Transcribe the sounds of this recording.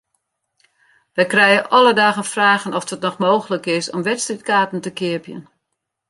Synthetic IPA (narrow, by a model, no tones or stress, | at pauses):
ʋɛjkrɛjəʔɔlədaːɣənfraːɣənɔfdətnɔxmoːɣələkɪsɔmʋɛtstrit̚kaːtn̩təkɪəpjə̰n